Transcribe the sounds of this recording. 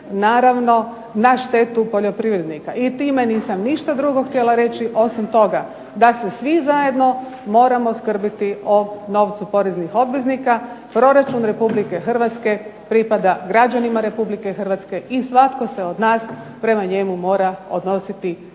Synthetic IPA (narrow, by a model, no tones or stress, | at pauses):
naːɾaʋno̞ | naʃt̪e̞t̪upo̞ʎo̞pɾiʋɾed̪nikaʔit̪iːmeniːsamniʃt̪ad̪ɾuɡo̞xt̪jelaɾe̞t͡ɕiʔo̞simt̪o̞ɡa | d̪asesʋizaje̞d̪no̞ | mo̞ːɾamo̞skr̩bit̪iono̞ʋt̪supo̞ɾeznixo̞bʋeznikapɾo̞ɾat͡ʃunɾe̞publike̞xr̩ʋat̪ske̞pɾipad̪aɡɾad͡ʒanimaɾe̞publike̞xərʋat̪ske̞ʔisʋat̪ko̞se̞o̞d̪naːs | pɾe̞maɲe̞mumo̞ːɾao̞̰d̪no̞sit̪i